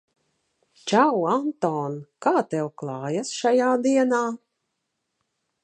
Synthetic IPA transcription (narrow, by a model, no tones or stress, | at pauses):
t͡ʃawant̪ɔːnkaːt̪ɛwklˠɑːjasʃajaːd̪iɛnaː